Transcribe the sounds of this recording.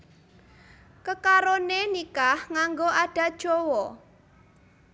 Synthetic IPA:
kəkaɾonenikahŋaŋɡoʔaɖ̥ä̤d̥ʒ̥owɔ

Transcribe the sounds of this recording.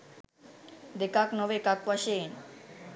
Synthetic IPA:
d̪ekaknɔʋekakwaʃen

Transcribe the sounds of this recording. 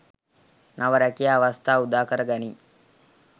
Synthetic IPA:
naʋɐɾɐkijaːʋɐst̪ʰaːud̪aːkɐɾɐɡɐni

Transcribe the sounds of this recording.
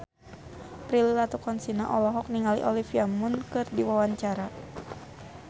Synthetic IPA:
pɾililat̪ukɔnsinaʔɔlɔɦɔk̚niŋalḭʔɔlifiamunkɨrdiwawaɲt͡ʃaɾa

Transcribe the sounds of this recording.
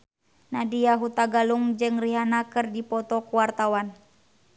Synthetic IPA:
nadijaɦut̪aɡaluŋd͡ʒɨŋriɦanakɨrdipɔt̪ɔkuwart̪awan

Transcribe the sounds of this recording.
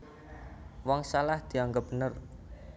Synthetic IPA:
wɔŋsalahd̪̥i̤aŋɡəp̚b̥ənər

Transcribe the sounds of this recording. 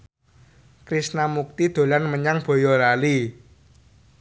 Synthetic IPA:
kɾisnamuk̚t̪id̪̥o̤lanməɲaŋb̥o̤jɔɾali

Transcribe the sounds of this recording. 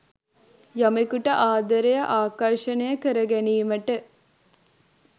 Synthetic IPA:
jamekuʈəʔaːd̪əɾejəʔaːkaʃənejəkəɾəɡæniːməʈə

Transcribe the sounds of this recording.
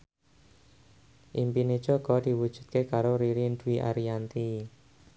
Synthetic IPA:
ʔimpined̥d͡ʒ̥ɔ̤ɡ̥ɔd̪̥i̤wud̥ʒ̥ṳt̪̚kekaɾoɾiɾind̪uwiʔa̰ɾiant̪i

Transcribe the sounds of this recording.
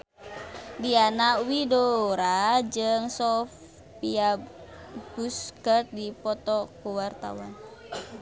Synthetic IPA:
dianaʔwidoɾad͡ʒɨŋsɔf | pia | buskət̪̚dipɔt̪ɔkuwart̪a̰wan

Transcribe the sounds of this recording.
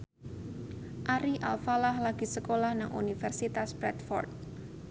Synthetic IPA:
ʔaɾiʔa̰lfalahlaɡ̥i̤səkolahnaŋʔṵnifɛrsit̪asbɾɛt̪fɔ̰rt̪̚

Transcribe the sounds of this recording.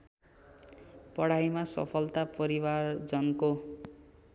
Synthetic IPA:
pʌɽajmasʌ̰pʰʌlt̪apʌɾiward͡zʌnko

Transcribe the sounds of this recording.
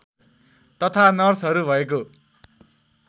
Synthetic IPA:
t̪ʌt̪ʰanʌrsɦʌɾubʱʌeko

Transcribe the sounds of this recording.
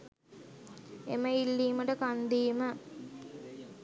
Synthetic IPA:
ḛməilːiːməʈəkand̪iːmə

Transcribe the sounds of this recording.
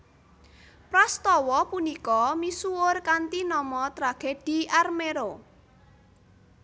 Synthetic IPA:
pɾɔst̪ɔwɔpunikɔmisuʊrkant̪inɔmɔt̪ɾaɡ̥ed̥i̤ʔarmeɾo

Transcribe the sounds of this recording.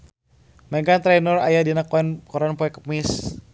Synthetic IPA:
meɡat̪ɾanɔra̰jadinaknkɔɾanpɔɛkə̥pmis

